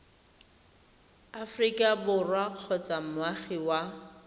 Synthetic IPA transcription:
afrikʼabʊrwaq͡χʰɔt͡sʼamʊaχiwa

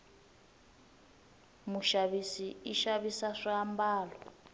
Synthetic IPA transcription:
muʃaβisiiʃaβisaʂiambaːlɔ

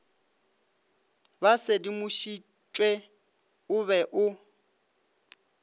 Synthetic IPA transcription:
basedimʊʃi | t͡ʃʼwe | ʊβɛʔʊ

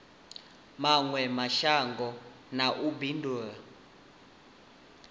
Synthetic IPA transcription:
maŋwɛmaʃaŋɡʱɔ | naʔubindʱua

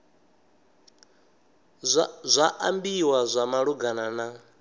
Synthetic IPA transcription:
zʷaʔambiwazʷamaɺuɡanana

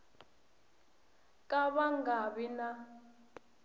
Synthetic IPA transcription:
kʼaβaŋɡaβina

